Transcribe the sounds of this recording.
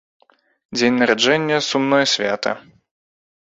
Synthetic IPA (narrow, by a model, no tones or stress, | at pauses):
d͡zʲenʲnɐɾad͡ʐɛnʲːɐsumnɔjɐsʲvʲat̪ɐ̰